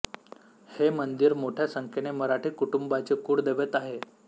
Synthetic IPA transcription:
hemənd̪iɾmoʈʰjasəŋkʰeneməɾaʈʰikuʈumbat͡sekuːɽd̪eʋət̪aɦe

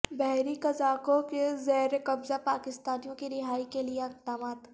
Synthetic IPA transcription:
bɛɦɾikɐzaːkokezɛɦɾekɐbzapaːkɪst̪aːnijõkiɾɪɦaːikelieɐq̚d̪aːmaːt̪

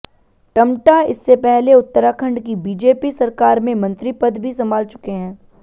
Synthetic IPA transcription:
ʈɐmʈaɪ̰sːepɛɦleʊt̪ːəɾakʰə̃ɳɖkibiːd͡ʒeːpisɐɾkaːɾmẽmɐ̃nt̪ɾipɐd̪bʱisɐmaːlt͡ʃʊ̥keɦɛ̃ː

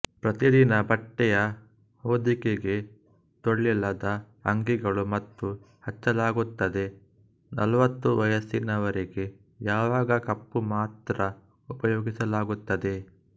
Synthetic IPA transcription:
pɾɐt̪id̪inɐbɐʈːɛjɐ | hoːd̪ikeɡe̞ | t̪oɭːilɐd̪ɐ | ɐŋɡiɡɐɭumɐt̪ːu | hɐt͡ʃːɐlaːɡut̪ːɐd̪e̞ | nɐlʋɐt̪ːuʋɐjɐsinɐʋɐɾiɡe̞ | jaːʋaːɡɐkɐpːumaːt̪ɾɐ | upɐjoːɡisɐlaːɡut̪ːɐd̪e̞

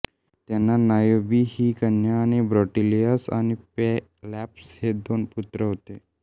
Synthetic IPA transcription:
t̪ɛnanajobihikənjanebɾɔʈilijasa̰nepe | lɛpshed̪onput̪ɾəɦot̪e

